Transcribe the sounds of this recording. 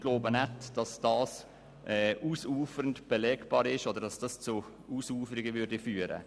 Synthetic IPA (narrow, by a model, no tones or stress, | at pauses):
ɡ̥loːbənɛtd̥ɑsd̥ɑːs | ʔɛʔuːsuːfəɾəntb̥ɛlɛːkb̥ɑːɾɪʃɔdəɾdɑsd̥ɑst͡su | uːsuːfəɾɪɡəvʏɾdifyːɾə̰